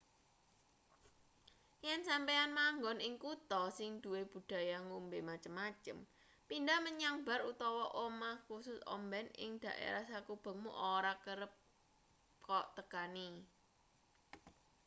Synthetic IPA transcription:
jɛnsampeanmaŋɡɔnɪŋkut̪ɔsɪŋd̪̥ṳweb̥ṳd̪̥a̤jaŋumbemat͡ʃəmːat͡ʃəm | pindaməɲaŋbaɾut̪ɔwɔʔomahkusʊsɔ̰mbɛnɪ̰ŋd̪̥ä̤ʔḛɾahsakub̥ə̤ŋmuʔoɾakəɾəp̚ | kɔʔt̪əkani

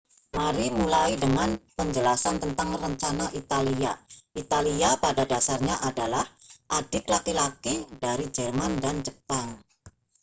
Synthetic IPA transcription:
maɾimulaidəŋanpəɲd͡ʒəlasant̪ənt̪aŋrəɲt͡ʃanaʔit̪aliaʔit̪aliapadadasarɲaʔadalahʔadɪklakilakidaɾid͡ʒɛrmandand͡ʒəpaŋ

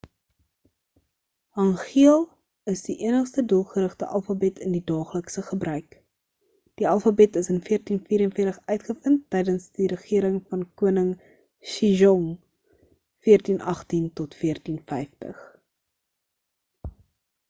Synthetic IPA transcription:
ɐŋχiəlˠ | əsdiʔiənəχstədulˠχəɾəχtəʔɐlˠfɐbɛtʰəndidɑːχləksəχəbrœɥk | d̥iɐlˠfɐbɛtəsənfiərtinfiːɾənfiərtəχœɥtχəfəntːɛjdənsdiɾəχiəɾəŋfɐnkuənəŋ | ʃiʒɔŋ | fiərtinʔɐχtintɔtfiərtinfɛjftə̰χ

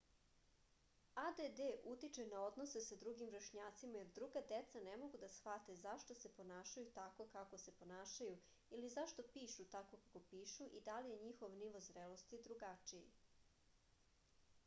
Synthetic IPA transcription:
ad̪ed̪eʔut̪it͡ʃenao̞d̪nose̞sad̪ɾuɡimʋɾaʃɲaːt̪simajeɾd̪ɾuɡad̪et̪sanemo̞ɡud̪asxʋat̪e̞zaʃt̪osepo̞naːʃajut̪ako̞kako̞se̞po̞naːʃaju | ilizaʃt̪o̞piːʃut̪ako̞kako̞piːʃuʔid̪alije̞ɲixoʋniʋozɾelost̪id̪ɾuɡat͡ʃijḭ

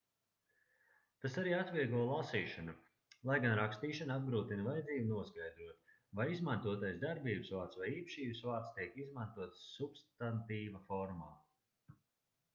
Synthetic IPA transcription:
t̪asaɾiːat̪viɛɡuɔlˠasiːʃanu | lˠajɡanɾakst̪iːʃanab̚ɡɾuːt̪invajd̪ziːbunuɔsɡajd̪ɾuɔt̪ | vajizmant̪uɔt̪ajszd̪aɾbiːbɨsvaːt̪svajiːpʃiːbɨsvaːt̪st̪iɛkizmant̪uɔt̪subst̪ant̪iːvɐfɔɾma̰ː

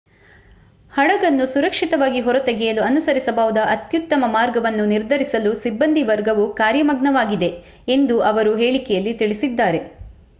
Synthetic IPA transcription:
hɐɽɐɡɐnːusuɾɐkʂit̪ɐʋaːɡiɦɔɾɐt̪ɐɡɛjɐluɐnusɐɾisɐbaːʋud̪ɐʔɐt̪jut̪ːɐmɐmaːɾɡɐʋɐnːuniɾd̪ʱɐɾisɐlusibːɐnd̪ʱiʋɐɾɡɐʋukaːɾjɐmɐɡnɐʋaːɡid̪e̞ | end̪uʔɐʋɐɾuɦeːɭikɛjɐlːit̪iɭisid̪ːaːɾe̞

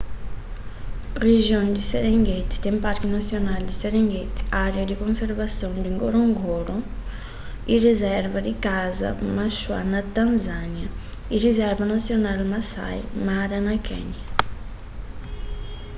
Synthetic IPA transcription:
reʒjõnd̪iseɾeŋɡet̪i̥t̪ẽmpaɾkinasjonald̪iseɾeŋɡet̪i̥aɾjad̪ikõnseɾvasjõnd̪iŋɡoɾoŋɡoɾo | irezɛɾvad̪ikazɐ̰maʃwa̰nat̪ãnzanjɐ | irizɛɾvanasjonalmasa̰jmaɾanakʰɛ̰ɲjɐ

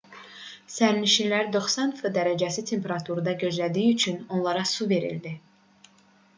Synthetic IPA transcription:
sæɾniʃilæɾd̪o̞χsɑnfɯd̪æɾæd͡ʒæsit̪ʰe̞mpʰeɾɑt̪ʰuɾɯd̪ɑɟø̞zlæd̪iːyt͡ʃʰyno̞nlˠɑɾɑsuve̞ɾḭld̪i

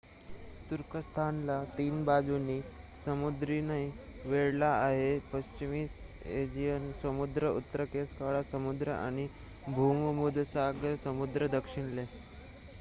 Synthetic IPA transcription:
t̪uɾkəst̪ʰanlat̪iːnbad͡zuniː | səmud̪ɾinai | ʋeɭlaːɦepəɕt͡ɕimis | ed͡ʑijənsəmud̪ɾəṵt̪ːəɾəkeskaɭasəmud̪ɾəʔa̰ɽ̃i | bʱummud̪saɡɾəsəmud̪ɾəd̪əkʂiɳle

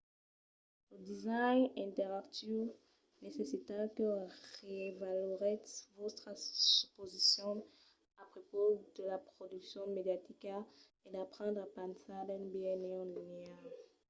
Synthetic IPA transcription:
ləd̪izajnɛ̃t̪ɛʁakt̪y | nesesit̪akəʁevalɔʁɛtvɔt̪χəsypozisjɔ̃ | apχopod̪̥əlapχod̪yksjɔ̃med̪jat̪ika | ed̪apχɑ̃ndʁapãnsad̪ɛ̃nbeɛneɑ̃linea

